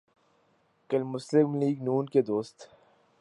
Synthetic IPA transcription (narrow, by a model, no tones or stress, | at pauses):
kəlmːʊslɪmliːɡnuːnked̪oːst̪